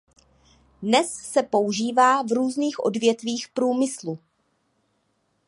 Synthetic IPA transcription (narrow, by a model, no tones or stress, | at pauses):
dnɛsːɛpo̞uʒiːvaːvɾuːzniːxʔo̞̰dvjɛt̪viːxpɾuːmɪslu